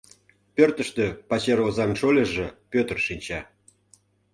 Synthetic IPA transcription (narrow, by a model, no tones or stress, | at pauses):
pʲørt̪ə̆ʃt̪ø̆pɑt͡ɕeɾozɑnʃolʲĕʒĕpʲøt̪ə̆rʃinʲt͡ɕɑ